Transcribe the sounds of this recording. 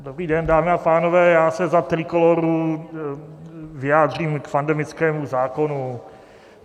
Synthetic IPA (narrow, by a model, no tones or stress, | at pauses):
dobɾiːdɛndaːmɪapaːnovɛːjaːsɛzat̪rɪkoloɾu | vɪaːdr̝iːmkpandɛmɪt͡skɛːmuzaːko̞nu